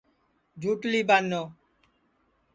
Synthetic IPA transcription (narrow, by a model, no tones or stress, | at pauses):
d͡ʑʱuʈlibanːo